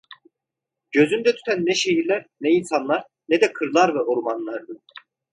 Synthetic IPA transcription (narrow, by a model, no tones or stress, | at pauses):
ɟ̥ø̞zynd̪ɛt̪ʰy̥t̪ʰænːɛʃe̞jiɾlʲæɾnɛinsanlˠaɾ | nɛd̪ɛkʰɯɾlˠaɾvɛʔoɾmanlˠaɾd̪ɯ